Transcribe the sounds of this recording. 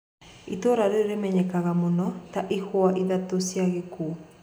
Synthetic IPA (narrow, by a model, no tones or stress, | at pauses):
itoɾaɾeeɾemɛɲɛkaɣamonɔtaʔihwaʔiðatosjaɣekuː